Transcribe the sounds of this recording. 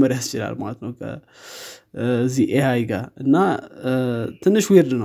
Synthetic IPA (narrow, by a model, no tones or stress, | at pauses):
mɐɾjast͡ʃila̰lma̰t̪nəwkʰɐ̰ | ziʔehajɡaɨnːa | t̪ʰɨnːɨʃweɾd̪ɨnə